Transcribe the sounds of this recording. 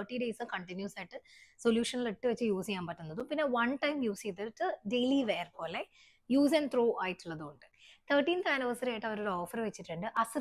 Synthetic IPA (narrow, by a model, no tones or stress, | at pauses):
əʈːiɖeːsɨkɐɳʈinjuːsaːjiʈːɨsoljuːʂɐniliʈːɨʋet͡ɕːɨjuːsijaːmpɐʈːunːɐðumpinːe̞ʋɐnʈɐjmjuːsit̪ːiʈːɨɖejliʋeːrpo̞ːle | juːs̬ɐnɖt̪roːʔaːjiʈːuɭːɐðɨoɳɖɨt̪ʰəːʈːiːnt̪aːnɐʋɐsɐɾaːjʈːɨɐʋɐɾoːɾoːfɐrʋet͡ɕːiʈːuɳɖɨʔɐsɨ